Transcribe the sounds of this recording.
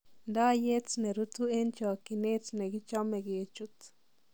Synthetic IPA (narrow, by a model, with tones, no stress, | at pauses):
nd̪a˦je˦t͡sne˨ɾu˦t͡s̪u˦e˦nt͡ʃo˨ki˧ne˦t͡sne˨ɡi˦t͡ʃo˦me˧ɡe˨t͡ʃu˨t͡s